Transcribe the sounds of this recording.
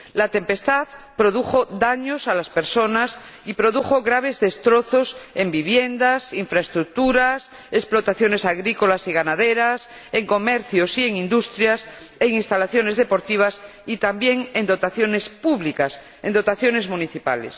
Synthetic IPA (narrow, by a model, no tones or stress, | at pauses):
lat̪e̞mpe̞st̪aðpɾo̞ðuxo̞ðaɲo̞salaspe̞ɾso̞nas | ipɾo̞ðuxo̞ɣɾaβ̞e̞zðe̞st̪ɾo̞θo̞se̞mbiβje̞nd̪asiɱfɾaest̪ɾuk̚t̪uɾas | esplo̞t̪aθjo̞ne̞saɣɾiko̞lasiɣanaðeɾas | e̞ŋko̞meɾθjosie̞ŋĩnd̪ust̪ɾjas | e̞ŋĩnst̪alaθjo̞ne̞zðe̞po̞ɾt̪iβ̞as | it̪ambje̞ŋe̞nd̪o̞t̪aθjo̞ne̞spuβlikas | end̪o̞t̪aθjo̞ne̞zmũniθipa̰les